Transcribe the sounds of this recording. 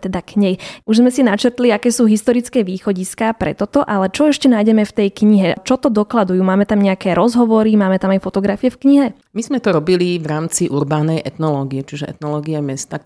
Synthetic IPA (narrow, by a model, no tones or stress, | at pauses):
t̪ɛd̪akɲɛjuʒzmɛsinat͡ʃɛɾt̪liakɛːsuːɦist̪ɔɾit͡skɛːʋiːxɔɟiskaːpɾɛ̰t̪ɔt̪ɔʔalɛt͡ʃɔɛʃcɛnaːjɟɛmɛft̪ɛjkɲiɦɛt͡ʃɔt̪ɔd̪ɔklad̪ujuːmaːmɛt̪amɲɛakɛːɾɔzɦɔʋɔɾimaːmɛt̪amajfɔt̪ɔɡɾafijɛfkɲiɦɛ | mizmɛt̪ɔɾɔbiliʋɾaːmt͡siʔuɾbaːnɛjʔɛt̪nɔlɔːɡiɛt͡ʃiʒɛʔɛ̰t̪nɔlɔːɡiɛmɛst̪a